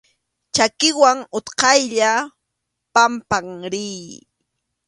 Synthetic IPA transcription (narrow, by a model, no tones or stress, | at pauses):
t͡ʃakɪwaŋʊt̪qɑjʎa | pampaŋɾiː